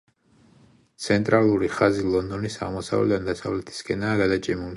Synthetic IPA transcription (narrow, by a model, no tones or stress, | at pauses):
t̪sʰɛnt̪ʼɾalˠuɾiχazilˠɔnd̪ɔnisaʁmɔsa̰vlɛ̰d̪and̪asavlɛt̪ʰi̥skʼɛnaːɡad̪at͡ʃʼɛmul